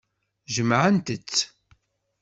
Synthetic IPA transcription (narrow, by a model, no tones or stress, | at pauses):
ʒəmːʕənt̪ət͡sː